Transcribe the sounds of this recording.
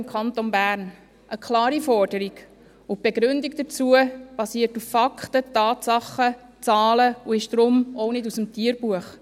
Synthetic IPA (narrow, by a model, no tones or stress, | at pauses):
mkʰɑnt̪onbæːɾn | ʔəkχlɑːɾifɔɾd̥əɾiɡ | ʊb̥eɡɾʏndikd̥ət͡suəb̥ɑsiːəɾtufːɑkχtətɑːtsɑχːə | t͡sɑːləuɪʃd̥ɾʊmɔwnɪdusəmtiəɾb̥uəχ